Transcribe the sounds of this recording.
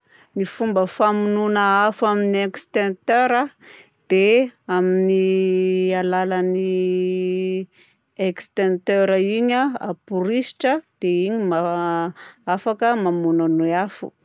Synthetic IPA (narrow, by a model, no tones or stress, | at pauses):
nifumbəfamununəafaminiekst̪ent̪øɾə | d̪̥eamini | alalani | ekst̪ent̪øɾaiɲaa̰puɾisi̥ʈ͡ʂəd̪̥eiɲima | afakəmamunanoafṵ